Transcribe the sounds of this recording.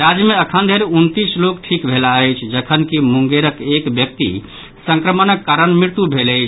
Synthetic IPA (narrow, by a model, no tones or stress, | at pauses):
ɾad͡ʒjəmeəkʰənd̪ʱeɾeunt̪islokʈʰikbʱelaəjt͡ʃʰd͡ʒəkʰənkimuŋɡeɾəkekbjək̚t̪ḭ | sə̃ŋkɾəmənəkːaɾənmiɾt̪ubʱeləjt͡ʃʰ